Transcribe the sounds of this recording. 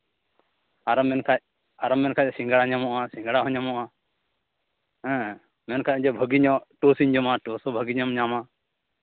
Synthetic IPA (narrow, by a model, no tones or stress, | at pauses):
aɾɔmːɛnkʰac̚ | aɾɔmːɛnkʰacsĩŋɡaɽaɲamɔʔasĩŋɡɽaɦɔɲamɔʔa | ɛ̃ | mɛnkʰac̚d͡ʒɔbʱəɡiɲɔʈɔsiɲd͡ʒɔmaʈɔsɔbʱəɡiɲɔmɲama